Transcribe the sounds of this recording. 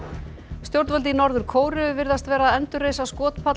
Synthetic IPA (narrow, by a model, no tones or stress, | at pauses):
st̪jowɾt̪vœlt̪inɔɾðʏɾ̥kʰoːwɾʏvɪɾðast̪vɛːɾaːðɛnt̪ʏrːeːjsaskɔːt̪pʰa